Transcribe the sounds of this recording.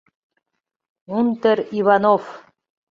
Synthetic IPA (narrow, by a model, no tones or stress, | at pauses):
unt̪əɾiβɑnof